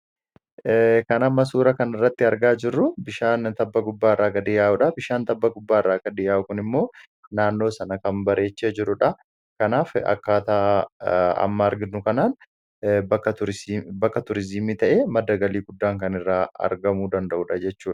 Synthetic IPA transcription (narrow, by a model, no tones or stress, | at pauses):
kɐnɐmːɐs̬uːɾɐkɐnɪrːɐt̪ːɪɐɾɡaːd͡ʒɪrːʊbɪʃaːnt̪ɐbːɐɡʊbːaːɪrːaːkːɐd̪ɪjaːʔʊᶑɐbɪʃaːnt̪ɐbːɐɡʊbːaːɪrːaːkːɐd̪ɪjaːʔʊkʊnɪmːo̞ː | naːnːo̞ːsɐnɐkɐmbɐɾe̞ːt͡ʃːeːd͡ʒɪɾʊᶑɐ | kɐnaːfɐ̰kːaːt̪aː | ɐ̰mːɐːɾɡɪnʊkɐnaːn | bɐkːɐʊɾbɐkːɐt̪ʊɾɪzɪmiːt̪ɐʔe̞ːmɐd̪ːɐɡɐliːɡʊd̪ːaːŋkɐnɪrːaːɐ̰ɾɡɐmuːd̪ɐnd̪ɐʔuːᶑɐd͡ʒɛt͡ʃːuːᶑɐ̥